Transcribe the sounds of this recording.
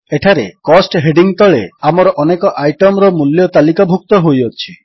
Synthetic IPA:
eʈʰaɾekɔsʈɦeɖiŋt̪ɔɭeamɔɾɔʔɔnekɔʔajʈɔmɾɔmuljɔt̪alikabʱuk̚t̪ɔɦojɔt͡ʃʰi

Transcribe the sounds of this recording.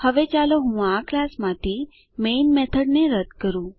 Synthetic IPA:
həʋet͡ʃaloɦũaklasmãt̪ʰi | menmɛt̪ʰəɖneɾəd̪kəɾũ

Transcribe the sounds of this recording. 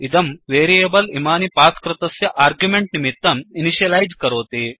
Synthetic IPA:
id̪ɐmʋeːɾieːbɐlimaːnipaːskɾɪt̪ɐsjɐʔaːɾɡjumeɳʈnimit̪ːɐminiʃjɐlɐjd͡ʒkɐɾoːt̪i

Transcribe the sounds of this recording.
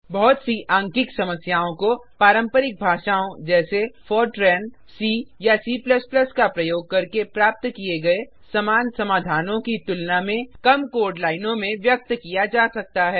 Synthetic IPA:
bɔɦːt̪siʔãːŋkɪksɐməsjaːõkopaːɾə̃mpəɾɪk̚bʱaːʃaːõd͡ʒɛːsefɔːɾʈɾɛːn | siːjasiːpləsplɐskapɾɐjoːɡ̚kɐɾkepɾaːp̚t̪kieɡɐe | sɐmaːnsɐmaːd̪ʱaːnõkit̪ʊlnamẽkɐmkoːɾɖlaːɪnõmẽʋjɐk̚t̪kijad͡ʒaːsɐk̚t̪aɦɛː

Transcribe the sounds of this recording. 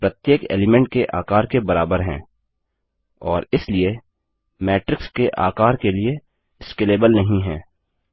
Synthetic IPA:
pɾət̪jeːkḛːlɪmɛ̃ɳʈ̚keʔaːkaːɾkebɐɾaːbəɾɦɛ̰̃ː | ɔːɾɪslie | mɛːʈɾɪkskeʔa̰ːkaːɾkelie | skeːleːbəlnɐɦĩɦɛ̃ː

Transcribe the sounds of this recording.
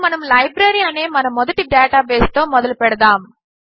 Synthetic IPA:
mɐnɐmlɐjbɾeːɾijaːneːmɐnɐmːɔd̪ɐʈiɖɛːʈaːbeːst̪oːmɔd̪ɐlupɛɽɐd̪aːm

